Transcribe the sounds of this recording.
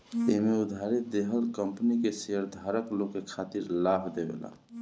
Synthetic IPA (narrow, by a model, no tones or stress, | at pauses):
eɦmeʊd̪ʱaɾit̪̚d̪eɦəlkəmpənikeseəɾd̪ʱaɾəklokːekʰat̪iɾlabʱd̪ebḛla̰